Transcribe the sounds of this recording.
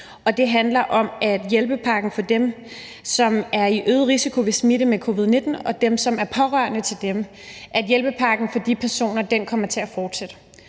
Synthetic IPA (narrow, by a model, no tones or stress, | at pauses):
ɒ̽d̥e̝ɦænlɐʔɒ̽mʔæd̥jelb̥əpʰɑ̈ːɡ̥n̩fɒ̽d̥em | sɒ̽mæɐiʔøːð̩ˠʁisikʰo̝ʋe̝smiɾəmekʰo̝ːʋið̞ˠne̝d̥n̩ɒ̽d̥emsɒ̽mæɐpʰɒ̽ʁɶɐnət͡sʰe̝ld̥em | ʔæd̥jelb̥əpʰɑ̈ɡ̥n̩fɒ̽d̥ipʰæɐso̝̰ːnɐd̥enkʰɒ̽m̰ɐt͡sʰe̝æfɒːd̥sed̥ə